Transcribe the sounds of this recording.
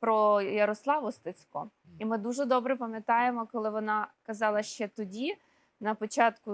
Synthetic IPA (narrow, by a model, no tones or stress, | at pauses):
pɾɔjɐɾɔslˠɑʋɔst̪ɐt͡sʲkɔ | imɪd̪uʒɛd̪ɔbɾɛpɐmʲjɐt̪ɑjemɔkɔlˠɪʋɔnɑkɐzɑlˠɐʃt͡ʃɛt̪ɔdʲi | nɐpɔt͡ʃɑt̪kʊ